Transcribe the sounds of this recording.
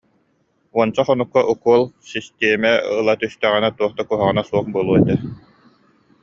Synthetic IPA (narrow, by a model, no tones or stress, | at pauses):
uɔnt͡saχɔnukːaʔukuɔlˠsist̪ɛːmɛɯlˠat̪yst̪œʁɛnat̪uɔχt̪akuɦaʁɯnasuɔχbɯlˠuɔɛt̪ɛ